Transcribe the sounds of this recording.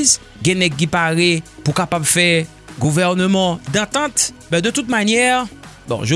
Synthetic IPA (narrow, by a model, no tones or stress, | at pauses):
z | ɡɛ̃nɛɡ̚k̬ipaʁepukapabfɛ | ɡuvɛʁnəmɑ̃d̪ɑ̃t̪ɑ̃t̪bɛ̃d̪ət̪ut̪̚manjɛʁ | bɔ̰̃ʒo